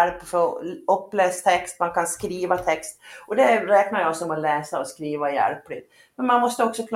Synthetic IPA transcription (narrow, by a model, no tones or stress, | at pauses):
ɾpfɔɵpːlɛːst̪ʰɛkst̪mankʰanskɾiːvat̪ʰɛkst̪ʔɔd̪ɛɾɛːknaɾjaɔksɔmɔlɛːsaɔskɾiːvajæ̰ɾplɪt̪ | mɛnmanmɔst̪əɔksɔkʰl